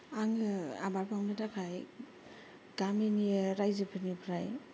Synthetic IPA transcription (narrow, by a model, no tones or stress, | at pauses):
aŋɯa̰baɾpʰaŋnɯdakʰaj | ɡ̥amenieɾajzɯpʰɯnipʰɾaj